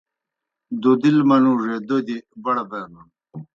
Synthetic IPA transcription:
d̪od̪ilmɐnuːʐed̪od̪ibɐɽɐbɐmɐn

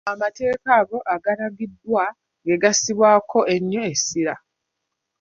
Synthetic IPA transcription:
amate̞ːkaːɡo̞ʔaɡaɾaɡidːwa | ŋɡe̞ɡasiβwaːkʰo̞e̞ɲːoesːiɾa

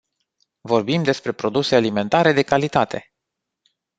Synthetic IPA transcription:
vo̞rbimd̪e̞spɾe̞pɾo̞d̪use̞alime̞nt̪aɾe̞d̪e̞kalit̪at̪e̞

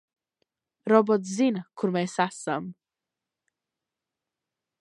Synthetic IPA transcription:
ɾɔbɔtzɪnkʰʊɾmejsasam

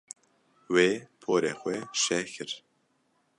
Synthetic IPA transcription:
weːpʰoːɾexʷɛʃɛkʰɨɾ

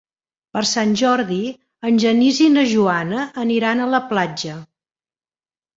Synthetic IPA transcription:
pəɾsanʲʒɔɾði | ənʲʒənizinəʒuanəːniɾanələplad͡ʒə

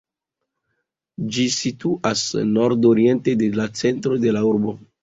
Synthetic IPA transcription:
d͡ʒisituʔasno̞ɾdoɾie̞ntedelat͡se̞ntɾo̞de̞lauɾbo̞

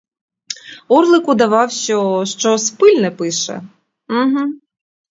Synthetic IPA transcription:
ɔrlˠɪkʊd̪ɐʋɑwʃt͡ʃɔʃt͡ʃɔspɪlʲnɛpɪʃɛ̰ | ɦm̩

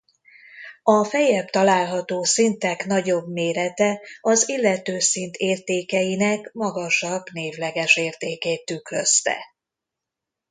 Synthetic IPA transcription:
ɒfɛjɛbt̪ɒlaːlɦɒt̪oːsint̪ɛkn̪ɒɟo̞bmeːɾɛt̪ɛɒzilːɛt̪øːsint̪ʰeːrt̪eːkɛjinɛkmɒɡɒʃɒbneːvlɛɡɛʃeːrt̪eːkeːt̪ːykløst̪ɛ̰

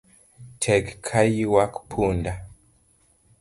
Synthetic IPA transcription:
tʰɛɡkʰajiwakpʰunda

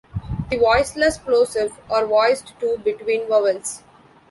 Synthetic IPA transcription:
d̪iʋɔɪsləsploːsɪʋɔːɾʋɔɪzɖʈuːbɪʈʋĩːnʋəʋəls

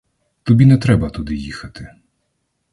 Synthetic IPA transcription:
t̪ɔbʲinɛt̪ɾɛbɐt̪ʊd̪ɪjixɐt̪ɪ

